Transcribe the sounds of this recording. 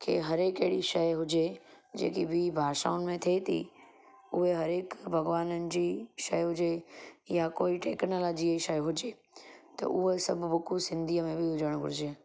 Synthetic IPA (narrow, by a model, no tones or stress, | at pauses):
kʰḛɦɐɾeːkɐɦɪɽiʃɐjɦʊd͡ʑe | d͡ʑḛːkibʱibʱaːʃa̰ːʊnɪ̆mẽt̪ʰet̪ʰḭ | ʊɦeɦɐɾeːkbʱɐɡʋaːnənɪ̆d͡ʑiʃɐjɦʊd͡ʑejakoːiʈeːknoːlɔːd͡ʑiəiʃɐjɦʊd͡ʑe | t̪ɐ̰ʔʊɦesɐbʱbʊkusɪ̃nd̪ʱiːəmẽbɪɦʊd͡ʑəɽ̃ɡʱʊ̰ɾɪd͡ʑe